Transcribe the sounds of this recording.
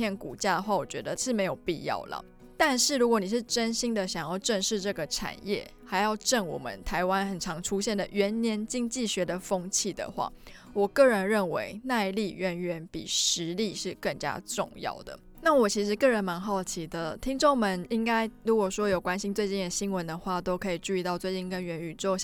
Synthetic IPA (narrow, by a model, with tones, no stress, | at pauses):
jɛ˥˩nkṵ˨˩t͡ɕja˥˩d̪ə˩xwa˥˩wɔ˨˩t͡ɕɥɛ̰˧˦d̪ə˧ʂɻ̩˥˩me˧˥ɪjo˨˩ʊpḭ˥˧jɑ̰˥˨˩ʊlə̰˩ | t̪a˥˧nʂɻ̩˥˩ɻu˧˥kwɔ˧˦ni˨˩ʂ̬ɻ̩˥˩ʈ͡ʂə˥nɕi˥nd̪ə˨ɕjɑ˨˩ŋjɑ˥˧ʊʈ͡ʂə˥˧ŋʂɻ̩˥˧ʈ͡ʂɤ˥˩ɡə˩ʈ͡ʂʰa̰˨˩njɛ̰˥˩xa˧˥ɪjɑ˥˧ʊʈ͡ʂə˥˩ŋwɔ̰˨˩mə̰˦nt̪ʰa˧˥ɪwa˦˥nxə˨˩nʈ͡ʂʰɑ˧˥ŋʈ͡ʂʰu˥ɕjɛ˥˩nd̪ə˨˩ɥɛ˧˥nnjɛ˧˥nt͡ɕi˥˧ŋt͡ɕi˥˩ɕɥɛ˧˥d̪ə˨fɤ˥ŋt͡ɕʰi˥˩d̪ə̰˩xwa̰˥˩ | wɔ˨˩kɤ˥˩ɻə˧˦nɻə˥˩nwḛ˧˥ɪna˥˧ɪli˥˧ɥɛ˧˥nɥɛ˧˥npḭ˨˩ʂɻ̩˧˦li˥˧ʂɻ̩˥˧kə˥˩ŋt͡ɕja̰˥ʈ͡ʂʊ̰˥˧ŋjɑ̰˥˩ʊd̪ə̰˩ | na˥˩wɔ˨˩t͡ɕʰi˧˥ʂɻ̩˧˥kɤ˥˩ɻə˧˥nma˧˦nxo˥˩ʊt͡ɕʰi˧˥d̪ə˨t̪ʰi˥ŋʈ͡ʂo˥˩ŋmə˧˦ni˦˥ŋka˥ɪɻu˧˥kwɔ˨˩ʂwɔ˥jo˨˩kwa˥˦nɕi˧˥nt͡swe˥˧ɪt͡ɕi˥˩nə˨˩ɕi˥ŋwə˧˦nd̪ə˨xwa˥˩t̪o˥ʊkʰɤ˧˥i˨˩t͡ɕu˥˧i˧t̪ɑ˥˧ʊt͡swe˥˧ɪt͡ɕi˥˩nkə˦˥nɥɛ˧˥ny˨˩t͡so˥˩